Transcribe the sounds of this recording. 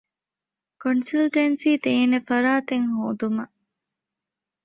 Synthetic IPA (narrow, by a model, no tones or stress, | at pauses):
konsilʈensiːt̪eːnefɐɾaːt̪eŋhoːd̪umɐ